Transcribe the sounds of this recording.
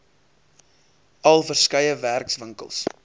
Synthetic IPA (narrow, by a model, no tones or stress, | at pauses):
ɐlˠfərskɐjəværksvəŋkə̰lˠs